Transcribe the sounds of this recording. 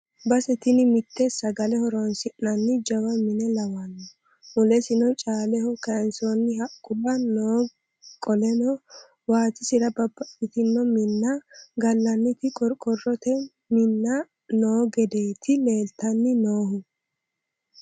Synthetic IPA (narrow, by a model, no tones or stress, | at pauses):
bɐsɛt̪ɪnɪmɪt̪ʰːɛsɐɡɐlɛhɔɾɔnsɪʔnɐnːɪd͡ʒɐwɐmɪnɛlɐwɐnːɔ | mʊlɛsɪnɔt͡ʃʼaːlɛhɔkɐnsonːɪhɐkʼːʊbɐnoː | kʼɔlɛnɔ | waːt̪ɪsɪɾɐbɐbɐɪt̪ɪnːɔmɪnːɐɡɐlːɐnːɪt̪ɪkʼɔkʼɔrɔt̪ɛ | mɪnːɐ | no̞ːɡɛd̪e̞ːt̪ʰɪleːlt̪ɐnːɪnoːhʊ